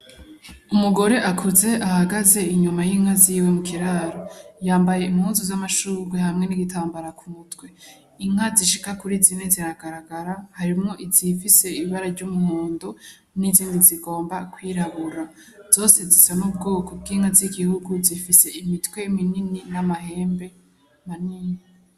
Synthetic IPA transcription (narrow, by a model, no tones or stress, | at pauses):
umuɡo̞ɾe̞ʔakʰuze̞ʔahaɡaze̞iɲumajiŋhaziːwe̞mukʰiɾaɾojaːmbaje̞imhuːnzuzamaʃuːɾɡwehamŋe̞niɡitʰaːmbaɾakumutwe̞ | iŋ̥aziʃi̥kakuɾizineziɾaɡaɾaɡaɾahaɾimŋo̞ʔizifise̞iiβaɾaɾɟumuhoːndo | niziːndiziɡo̞ːmbakwiːɾaβuɾa | z̥o̞ːse̞zisanub̚ɡo̞ːkob̚ɡiːŋ̥haziɡihuɡuzifise̞imitwe̞minininamaɦe̞ːmbe̞ | maniːŋa